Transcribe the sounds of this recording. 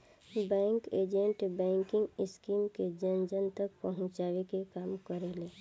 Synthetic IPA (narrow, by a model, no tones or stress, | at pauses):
bɛ̃ːŋkeːd͡ʒẽɳʈbɛ̃ːŋkɪ̃ŋɡɪskiːmked͡ʒənd͡ʒənt̪ək̚pəɦʊ̃t͡ʃaːʋekekaːmkəɾele